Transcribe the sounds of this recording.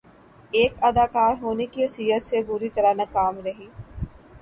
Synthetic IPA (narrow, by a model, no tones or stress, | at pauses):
eːkɐd̪aːkaːɾɦoːnekiɐsiːɦət̪sebʊɾit̪ɐɾanɐkaːmɾɐɦiː